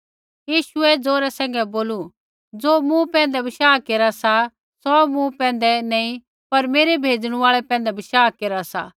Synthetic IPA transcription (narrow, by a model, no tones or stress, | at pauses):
jiːʃʊɛd͡zoːɾɛsɛ̃ːŋ̆ɡɛboːlu | d͡zoːmũpɛ̃ːnd̪ɛbɪʃaːkeːɾasa | sɔmũpɛ̃ːnd̪ɛnɛ̃ːĩ | pɐɾmeːɾebʱeːd͡zɽ̃ũaːɭɛpɛ̃ːnd̪ɛbɪʃaːkeːɾasa̰